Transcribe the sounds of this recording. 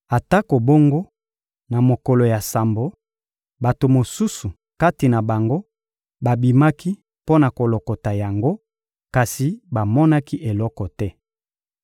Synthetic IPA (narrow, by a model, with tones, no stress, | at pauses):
a˨ta˦ko˨bo˦ŋɡo˦ | na˨mo˨ko˨lo˨ja˨sa˨mbo˨ | ba˨to˨mo˨su˦su˨ | ka˦ti˨na˨ba˨ŋɡo˦ | ba˨bi˨ma˦ki˦ | po˦na˨ko˨lo˨ko˨ta˨ja˨ŋɡo˦ | ka˨si˨ba˨mɔ˦na˦ki˦ʔe˨lɔ˦kɔ˨tɛ˦